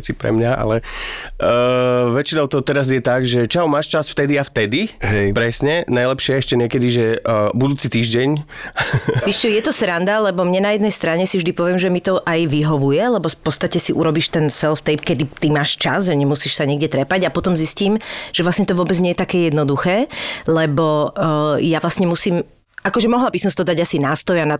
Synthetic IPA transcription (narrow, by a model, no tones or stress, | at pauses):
t͡sipɾɛ̰mɲaa̰lɛ | ʋɛt͡ʃinɔʊt̪ɔt̪ɛɾazjɛt̪aɡʒɛt͡ʃawmaːʃt͡ʃasft̪ɛd̪iaft̪ɛd̪iɦɛpɾɛsɲɛnajlɛpʃɪɛɛʃcɛɲɪɛkɛd̪iʒɛbud̪uːt͡sit̪iːʒɟɛɲ | ʋiʃt͡ʃɔjɛt̪ɔsɾand̪alɛbɔmɲɛnajɛd̪nɛjst̪ɾaɲɛsivʒd̪ipɔʋɪɛmʒɛmit̪ɔʔajʋiɦɔʋujɛlɛbɔpɔt̪st̪acɛsiʔuɾɔbiːʃt̪ɛnsɛlft̪ɛjpkɛd̪it̪imaːʃt͡ʃazʒɛɲɛmusiːʃsaɲɪɛɡɟɛt̪ɾɛpaɟapɔt̪ɔmzisciːmʒ̥ɛʋlasɲɛt̪ɔʋʊɔbɛd͡zɲɛjɛt̪akɛːjɛd̪nɔd̪uxɛːlɛbɔ | jaʋlasɲɛmusiːm | akɔʒɛmɔɦlabisɔmsit̪ɔd̪aɟasinaːst̪ɔjana